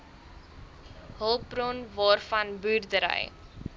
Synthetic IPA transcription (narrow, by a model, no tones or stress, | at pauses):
ɦəlˠbrɔnvɑːrfɐnbyːrdəɾə̰j